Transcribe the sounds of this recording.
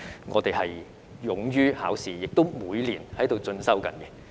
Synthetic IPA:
ŋɔ̰ː˨˧t̪e˨jhɐ˨j | jʊ˨˥ŋjyː˥ha̰ː˨˥wsiː˨jɪ˨k̚t̪o˥wmuː˨˧jliː˨˩nhɐ˨˥jt̪o˨wt͡sɵ˧nsɐ˥wkɐ̰˨˥nkɛ˧

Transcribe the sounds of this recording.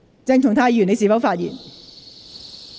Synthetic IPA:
t͡sɛ˧ŋt̪ʰʊ˨˩ŋt̪ʰaː˧˥˧jy˨˩ne˧js̬iː˨˩fɐ˨˥wfaː˧t̚jḭː˨˩n

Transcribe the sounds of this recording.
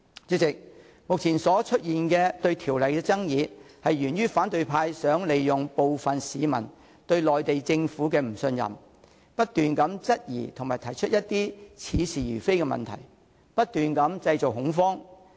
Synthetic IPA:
t͡sy˧˥t͡sɪ˨k̚ | mʊ˨k̚t͡sʰiː˨˩nsɔː˨˥t͡ʃʰɵ˥t̚jiː˨nkɛː˧t̪ɵ˧ɥt̪ʰiː˨˩wlɐ˨jkɛː˧t͡sɐ˥ŋjiː˨˧hɐ˨jjyː˨˩nɥyː˥faː˨˥nt̪ɵ˨˧ɥpʰaː˧jsœː˨˥ŋle˨jjʊ˨ŋpo˨wfɐ˨˩nsiː˨˧mɐ̰˨˩n | t̪ɵ˧ɥlɔː˨jt̪e˨jt͡sɪ˧ŋfuː˨˥kɛː˧m̩˨˩sɵ˧njɐ̰˨˩m | pɐ˥t̚t̪yː˨nkɐ˨˥mt͡sɐ˥t̚jḭː˨˩t̪ʰʊ˨˩ŋmaː˨˩jt̪ʰɐ˨˩jt͡ʃʰɵ˥t̚jɐ˥t̚t̪iː˥t͡sʰiː˨˧siː˨jyː˨˩fe˥jkɛː˧mɐ̰˨nt̪ʰɐ̰˨˩j | pɐ˥t̚t̪yː˨nkɐ˨˥mt͡sɐ˧jt͡so˨k̚hʊ˨˥ŋfɔː˥ŋ

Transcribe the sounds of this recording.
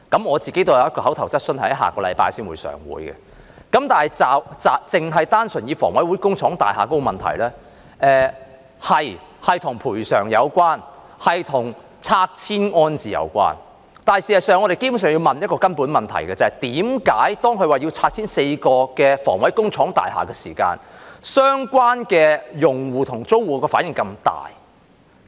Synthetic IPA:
kɐ˨˥mŋɔː˨˧t͡si˨ke˥jt̪o˥wjɐ˧jɐ˥kɔ˧hɐ˨˥wt̪ʰɐ˨˩wt͡sɐ˥t̚sɵ˥nhɐ̰˨˥jɦa̰ː˨˩kɔː˧lɐ̰˨˧jpa̰ː˧jsiː˥nwṵ˨˧jsœ̰ː˨˩ŋwṵː˨˥jɡɛ̰˧˨ | kɐ˨˦˥mt̪aː˨nhɐ˨˩jt͡saː˨t͡saː˨t͡sɪ˨ŋɦɐ˨jt̪aː˥nsɵ˨˩njiː˨˧fɔː˨˩ŋwɐ˨˥jwuː˨˥jkʊ˥ŋt͡ʃʰɔː˨˥ŋt̪aː˨˩jɦaː˨ko˥wmɐ˨nt̪ʰɐ̰˨˩jlɛː˥ | ʔɛː˧ | hɐ˨jhɐ˨jt̪ʰʊ˨˩ŋpʰuː˨˩jsœː˨˩ŋjɐ˨˧wkʷaː˥n | hɐ˨jt̪ʰʊ˨˩ŋ | t͡sʰaː˧k̚t͡sʰiː˥nŋɔː˥nt͡siː˨jɐ̰˨˧wkʷa̰ː˥n | t̪aː˨˩jsi˨hɐ˨˩jsœː˨ŋɔ˨˧ɾe˨jke˥bu˨˥ns̬œː˨ŋji˧wmɐ˨njɐ˥t̚kɔː˧kɐ˥npuː˨˥nmɐ˨nt̪ʰɐ̰˨˩jkɛː˧t͡sɐ˨hɐ˨jt̪iː˨˥mkaː˨˥jt̪ɔː˥ŋkʰɵ˧waː˨˩ji˧wt͡sʰaː˧k̚t͡sʰiː˥nse˧jkɔː˧kɛː˧fɔ̰ː˨˩ŋwɐ˨˥jkʊ˥ŋt͡sʰɔː˨˥ŋt̪a̰ː˨jha̰ː˨kɛː˧sḭː˨˩ka̰ː˧nsœː˥ŋkʷwaː˥nkɛː˧jʊ˨ŋwuː˨˩t̪ʰʊ˨˩ŋt͡so˥wwuː˨˧kɔː˧faː˨˥njɪ˨ŋkɐ˧mt̪a̰ː˨˩j

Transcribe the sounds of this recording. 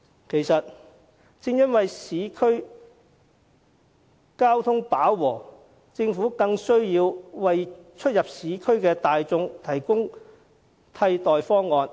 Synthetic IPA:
kʰe˨˩jsɐ˨t̚ | t͡sɪ˧ŋjɐ˥nwɐ˨jsiː˨˥kʰɵ˥ɥ | kaː˥wt̪ʰʊ˥ŋpaː˨˥wːɔː˨˩ | t͡sɪ˧ŋfuː˨˥kɐ˧ŋsɵ˥ɥjiː˧wwɐ˨jt͡ʃʰɵ˥t̚jɐ˨p̚siː˨˥kʰɵ˥ɥkɛː˧t̪aː˨jt͡sʊ˧ŋt̪ʰɐ˨˩jkʊ˥ŋ | t̪ʰɐ˧jt̪ɔː˨jfɔː˥ŋːɔː˨˧n

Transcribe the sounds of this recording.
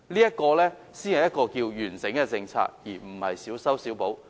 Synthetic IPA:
liː˥jɐ˥t̚kɔː˧lɛː˥ | siː˥nhɐ˨jɐ˥t̚kɔː˧kiː˧wjyː˨˩nsɪ˨˥ŋkɛ˧t͡sɪ˧ŋt͡sʰa̰ː˧k̚jiː˨˩m̩˨˩hɐ̰˨jsiː˨˥wsɐ˥wsi˨˥wpo˨˥w

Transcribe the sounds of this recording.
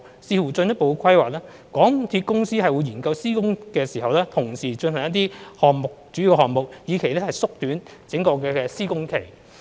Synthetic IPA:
siː˧fuː˨˩t͡sɵ˧njɐ˥t̚po˨wkʰɐ˥jwaː˨k̚lɛː˥ | kɔː˨˥ŋt̪ʰiː˧t̚kʊ˥ŋsiː˥ɦɐ˨jwuː˨˧jiː˨˩nkɐ˧wsiː˥kʊ˥ŋkɛː˧siː˨˩ɦɐ˨wlɛː˥t̪ʰʊ˨˩ŋsiː˨˩t͡ʃɵ˧nhɐ˨ŋjɐ˥t̬̪iː˥hɔː˨ŋmʊ˨k̚t͡ʃy˨˥i˨˧whɔː˨ŋmʊ˨k̚jiː˨˧kʰe˨˩jlɛː˥hɐ˨jsʊ˥k̚t̪yː˨˥n | t͡sɪ˨˥ŋkɔː˧kɛː˧ɛː˧siː˥kʊ˥ŋkʰe˨˩j

